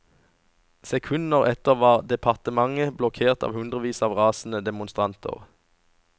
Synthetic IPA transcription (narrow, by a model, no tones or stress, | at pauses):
sɛkʰʉnəʁɛt̪əʁʋɑːʁd̪ɛpʰɑʁt̪əmɑŋəblɔkʰeːʁt̪ɑ̰ːʋhʉnd̪ʁəʋiːsɑːʋʁɑːsn̩əd̪ɛmʊnst̪ʁɑnt̪ʰə̰ʁ